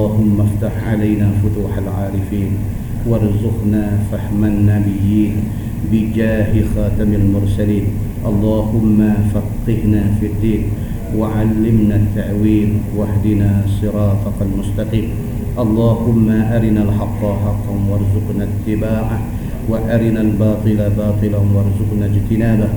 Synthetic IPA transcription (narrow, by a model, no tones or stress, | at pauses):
ɑːhʊmːaft̪aħʕalajnaːfʊt̪uːħalʕaːɾɪfiːn | wɑɾˤzʊqnafahmanːabɪjːiːn | bɪd͡ʒaːhɪxaːt̪amalmʊɾsaliːm | ʔɑlˤːɑːhʊmːafɑqːɪhnafid̪ːiːn | waʕalːɪmnat̪ːaʕwiːmwahd̪ɪnaːsˤɨɾˤɑːt̪ɑkalmʊst̪ɑqiːm | ʔɑlˤːɑːhʊmːaʔaɾɪnalħɑt̪ˤːɑħɑqːwɑɾˤzʊqnat̪ːɪbaːʕa | waʔaɾɪnalbɑːt̪ˤɨlabɑːt̪ˤɨlawɑɾˤzʊqnad͡ʒt̪ɪnaːba